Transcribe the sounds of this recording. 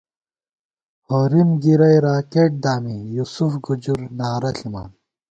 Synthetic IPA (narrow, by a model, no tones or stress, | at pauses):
hoːɾimɡiɾɐjɾaːkeːʈ̚d̪aːmijuːsufɡud͡ʑuɾnaːɾɐɬima̰ːn